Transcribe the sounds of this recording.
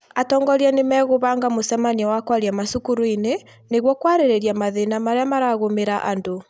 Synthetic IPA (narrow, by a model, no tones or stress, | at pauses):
atɔːŋɡɔɾanemɛɣoβaŋɡamosɛmaniawakwaɾjamasukuɾoine | neɣwɔkwaɾeɾɛɾjamaðenamaɾeamaɾaɣomeɾaʔa̰ndo